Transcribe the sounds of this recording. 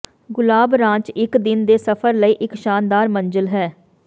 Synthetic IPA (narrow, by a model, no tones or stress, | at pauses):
ɡʊlaːbɾãːt͡ʃɪkd̪ɪnd̪eːsəpʰəɾləiːʔɪkʃaːnd̪aːɾmə̃nd͡ʒəlɦɛː